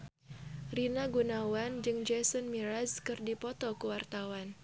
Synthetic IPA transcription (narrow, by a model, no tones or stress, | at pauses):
rinaɡunawand͡ʒɨŋd͡ʒɛsɔnmiɾaskɨrdipɔt̪ɔkuwart̪awan